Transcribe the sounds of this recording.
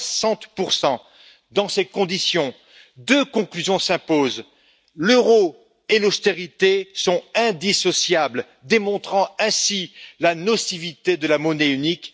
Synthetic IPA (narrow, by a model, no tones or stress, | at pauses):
sɑ̃t̪puʁsɑ̃ | d̪ɑ̃sekɔ̃d̪isjɔ̃ | d̪økɔ̃klyzjɔ̃sɛ̃poz | løʁo | elɔst̪eʁit̪esɔ̃ɛ̃d̪isɔsjabl | d̪emɔ̃t̪χɑ̃ɛ̃silanɔsivit̪ed̪əlamɔneynik